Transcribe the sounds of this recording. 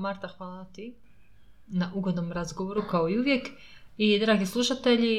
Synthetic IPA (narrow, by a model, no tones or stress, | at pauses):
maɾt̪axʋaːlˠat̪i | naʔuɡo̞d̪nomɾazɡoʋoɾukaoiuʋjek | id̪ɾaːɡislˠuʃat̪eʎi